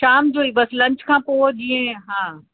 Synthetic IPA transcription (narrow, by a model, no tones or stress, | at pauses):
ʃaːmd͡ʑoːibɐslɐ̃ɲt͡ɕkʰãːpoːɗĩẽɦãː